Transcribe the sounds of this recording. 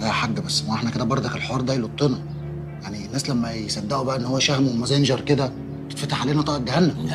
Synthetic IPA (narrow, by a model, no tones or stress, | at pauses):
ʔæħaɡːæbæsːmæʔeħnæked̪æbɑɾˤd̪ˤɑkelħoɑːɾˤd̪æjlot̪ˤːenɑ | jaʕnienːæːslæmːæjesæd̪ːæʔobæʔæʔenːhowːæʃæhmwmæzænʒɑɾˤked̪æ | t̪e̥t̪fæt̪aħʕaleːnæt̪ɑːʔɑɡæhænːæ